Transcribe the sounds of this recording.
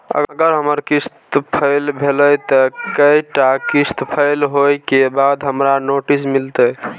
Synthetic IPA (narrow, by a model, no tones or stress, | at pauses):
ə̰ɡəɡəɾɦəməɾkist̪pʰəɪlbʱeləjt̪əkəjʈakist̪pʰəɪlɦojkebad̪ɦəmɾanoʈismilt̪ə